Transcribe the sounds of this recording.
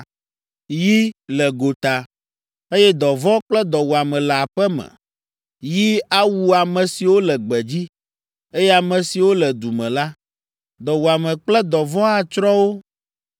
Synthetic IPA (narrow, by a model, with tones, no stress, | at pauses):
ji˦lɛ˨ɡo˨t̪a˨ | e˦jɛ˦d̪ɔ˨vɔ˦k͡plɛ˦d̪ɔ˨wu˨a˨mɛ̃˨lɛ˨a˨ɸɛ˦mɛ̰̃˨ | ji˦a˦wu˦a˨mɛ̃˨si˨wo˦lɛ˨ɡ͡bɛ˨d͡ʑi˦ | e˦jɛ˦a˨mɛ̃˨si˨wo˦lɛ˨d̪u˨mɛ̃˨la˦ | d̪ɔ˨wu˨a˨mɛ̃˨k͡plɛ˦d̪ɔ˨vɔ˦a˨t͡ʃɾɔ˦wo˦